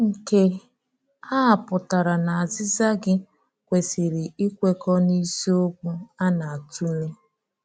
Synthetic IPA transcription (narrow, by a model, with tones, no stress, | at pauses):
ŋ̩˨ke˦ | a˦a˨pʊ˨ta˨ɾa˨na˨a˨zɪ˦za˦ɡɪ˦ | kʷe˨sɪ˨ɾɪ˨i˦kʷe˦kɔ˦ni˦si˦o˦kʷu˦a˦na˨a˨tu˦le˦